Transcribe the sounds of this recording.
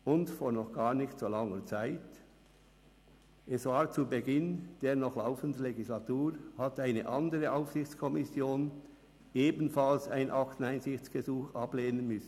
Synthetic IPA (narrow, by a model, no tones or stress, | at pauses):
ʔʊntfoːɾnɔχɡ̥aːʁnɪçtsoːlaŋət͡saɪt | ʔɛsvaːt͡subəɡɪnd̥eːʁnɔχlaʊfən̩dən̩leɡislatuːʁhataɪnə̰ʔandəʁəʔaʊfsɪçt͡skʰɔmɪsjoːn | eːbn̩falsaɪnʔɑχtn̩aɪnzɪçt͡sɡ̥əzuːxʔɑbleːnənmʏsn̩